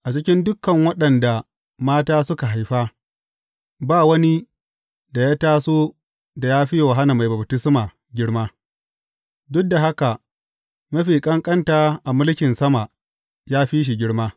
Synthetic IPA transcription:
ʔa˨t͡ʃɪ˦kʲɪ˦ndʊ˦kːɐ˨ŋwɐ˦ɗɐ˨nda˨ | maː˦taː˦sʊ˦ka˨ɦa˨jɸaː˦ | baː˦wɐ˦ni˦ | da˨jaː˦taː˦soː˦ | da˨jaː˦ɸi˦jwa˨ɦa˦na˨ma˨jbɐ˨btɪ˦smaː˨ | ɡʲɪ˦ɽmaː˦ | dʊ˦k̚da˨ɦa˦ka˨ | mɐ˦ɸiː˨kʼɐ˦ŋkʼɐ˦ntaː˨˦ʔa˨mʊ˦lkʲɪ˨nsɐ˦ma˨ | jaː˦ɸiː˦ʃ̬i˨ɡʲɪ˦ɽmaː˦

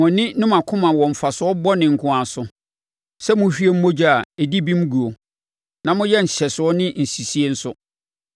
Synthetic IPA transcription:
mʊ̃˨nɪ̃˦nʊ̃˦mã˨kʰʊ̃˦mã˨wɔ̃˨ɱ̩˨fa˨sʊ˨˦ɔ˦bɔ˦nɪ̃˨ŋ̩˨kʰʊ̃˨a˨sʊ˨ | sɛ˦mʊ̃˦ɕᶣi˦e˦m̩˦mo˦d͡ʑᶣi˦a˨e˨di˦bĩ˦m˦ɡu˨o˨ | nã˨mʊ̃˦jɛ˦n̩˨ɕɛ˨sʊ˨ɔ˦nɪ̃˦n̩˨si˨si˦e˦n̩˦sʊ˦

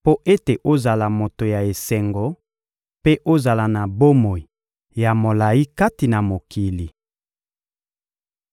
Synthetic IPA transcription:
po˦ʔe˦te˨ʔo˦za˨la˨mo˨to˨ja˨e˨sɛ˨ŋɡɔ˦ | pe˦ʔo˦za˨la˨na˨bo˦mo˨i˨ | ja˨mo˨la˨ji˦ka˦ti˨na˨mo˨kʰi˨li˨

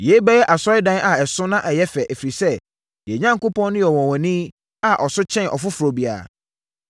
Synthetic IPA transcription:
jɛ˨˦bɛ˦jɛ˦ʔa˨sɔ˦ɪ˦dã˦nʔa˨ɛ˨sʊ̃˦nã˦ʔɛ˨jɛ˦fɛ˨ʔe˨fi˨ɾi˨sɛ˦ | jɛ˨ɲã˦ŋko˦pʰɔ̃˦n˦nʊ̃˦jɛ˨wɔ̃˨wɔ̃˨nĩ˦ | a˨ʔɔ˨sʊ˦t͡ɕʰɛ̃˦n˨ʔɔ̰˨fʊ˦fu˨ɾo˨bi˨a̰˨

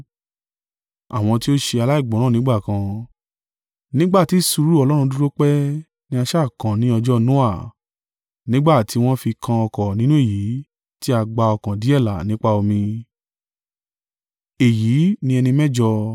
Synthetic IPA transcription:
a̰˨w̃ɔ̃˧ti˦o˦ʃe˧a˧la˦i˦˨ɡ͡bɔ̃˨˦nã˦˨ĩ˦ɡ͡ba˦˨kã˧ | nĩ˦ɡ͡ba˦˨ti˨˦su˧ɾu˦ɔ˧lɔ˦ɾ̃ũ˧du˦ɾo˦k͡pɛ˦ | nĩ˧˦a˧ʃa˦˨kã˨nĩ˨˦ɔ˧d͡ʒɔ˦nũ˦a˦˨ | nĩ˦ɡ͡ba˦˨ti˧˦w̃ɔ̃˦fi˧kʰã˧ɔ˧kɔ˨nĩ˦nũ˦e˦˨ji˨˦ | ti˦a˧ɡ͡ba˧ɔ˧kã˨di˨˦ɛ˦˨la˨nĩ˨˦k͡pa˦o˧mĩ˧ | e˨ji˨˦nĩ˧ɛ˧nĩ˧mɛ̃˦˨d͡ʒɔ˧

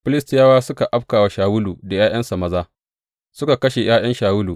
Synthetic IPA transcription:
ɸɪ˦lɪ˦stɪ˦jaː˦waː˦sʊ˦ka˨ʔa˦b̚kaː˨wa˨ʃaː˨wʊ˦luː˨da˨jaː˦j̰ɐ˦nsa˨mɐ˦zaː˦ | sʊ˦ka˨kɐ˦ʃe˨jaː˦j̰ɐ˦nʃaː˨wʊ˦luː˨

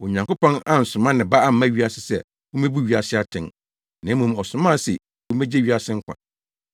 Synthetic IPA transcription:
wɔ˨ɲã˨ŋkʷo˦pɔ̃˦na˨n̩˨sʊ̃˨mã˦nɪ̃˨ba˦a˦m̩˦mã˦˨ɥi˦a˨sɪ˦sɛ̰˨ | wo˦mẽ˦bu˦ɥi˨˦a˨sɪ˦a˦tʰɪ̃˨n˨ | nã˨˦mũ˨mɔ˨sʊ̃˨mã˦˨sɪ̰˨ | wo˦mɛ̃˦d͡ʑe˦ɥi˦a˨sɪ̃˦ŋ̩˦kʷʰã̰˨

